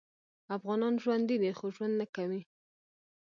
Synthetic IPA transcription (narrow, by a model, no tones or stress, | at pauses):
afɣɑnɑnʒwand̪id̪ixoʒwand̪nakawi